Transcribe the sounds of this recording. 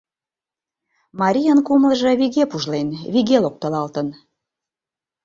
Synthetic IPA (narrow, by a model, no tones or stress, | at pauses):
mɑɾʲijənkumlə̆ʒɤ̆βiɣepuʒlenβiɣelok̚t̪ə̆lɑlt̪ən